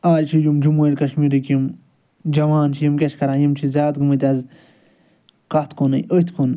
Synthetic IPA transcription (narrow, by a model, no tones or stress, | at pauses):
aːɾt͡ʃʰijumd͡ʒumuʈʲkɐʃmiːɾikim | d͡ʒɐʋaːnt͡ʃʰijimkʲɐt͡ʃʰkɐɾãːjimt͡ʃʰizʲjaːt̪̚ɡɨmɨt̪ʲaz | kɐt̪ʰkʰonɐjət̪ʰkʰon